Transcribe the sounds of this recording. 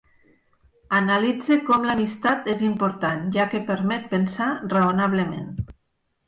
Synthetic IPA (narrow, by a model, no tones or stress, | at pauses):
analid͡zekɔmlamist̪at̪ezimpoɾt̪anʒakepeɾmɛt̪̚pensaraonaβ̞lemḛn